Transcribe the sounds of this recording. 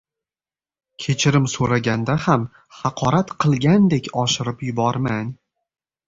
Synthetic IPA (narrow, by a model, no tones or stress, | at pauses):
kʲʰe̞t͡ʃʰɪɾɪmsoɾaɡʲand̪aham | hɑqʰɒɾat̪qʰɨlˠɡʲand̪ekʲɒʃɪɾɪpjʊbɒɾman